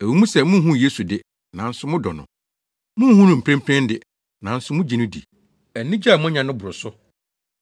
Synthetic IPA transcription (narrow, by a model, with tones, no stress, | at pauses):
æ˨wi˨mũ˦sɛ˨mʊ̃˦ɦũ˦˨je˦su˨dɪ˦ | nã˨n̩˦sʊ˦mʊ̃˦dɔ˨nʊ̰̃˨ | mʊ̃˦hũ˦nʊ̃˨m̩˨pʰɾɛ̃˦mpʰɾɛ̃˦n˦dɪ˦ | nã˨n̩˦sʊ˦mʊ̃˦d͡ʑi˨nʊ̃˦dḭ˨ | ɛ˨nĩ˦d͡ʑa˦˨mʊ̃˦ɲã˨nʊ̃˦bʊ˨ɾʊ˨sʊ˦